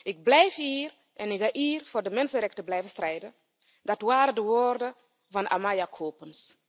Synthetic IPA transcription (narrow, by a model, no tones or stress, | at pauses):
ɪk̚blɛjfiːr | ʔɛnɪkhaʔiːrfoːrdəmɛnsərɛk̚təblɛjvəstrɛjdə | dɑtwaːɾədəwoːrdə | vɑna̰majakʰoːpəns